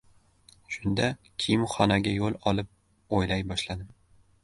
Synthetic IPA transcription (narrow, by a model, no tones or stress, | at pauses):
ʃʊnd̪a | kʲʰɪjɪmχɒnaɡʲajolˠɒlˠɪp̚ | ojlajbɒʃlad̪ɪm